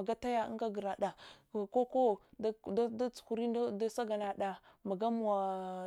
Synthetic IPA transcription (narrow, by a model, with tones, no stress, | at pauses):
a˨ɡa˦ta˦ja̰˦ŋɡa˦ɡə˨ɾa˨ɗa˨ko˦ko˦ | da˦t͡su̥˨ku˨ɾi˦da˦sa˦ɡa˨na˨ɗa˨ma˨ɡa˦mu˨wa˨